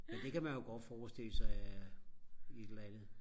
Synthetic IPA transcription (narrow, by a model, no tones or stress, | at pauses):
mend̥e̝kʰæmænjo̝ɡ̥ɒd̥fɒːsd̥e̝l̰əsɑ̈ɪ | ied̥l̩ænð̩ˠ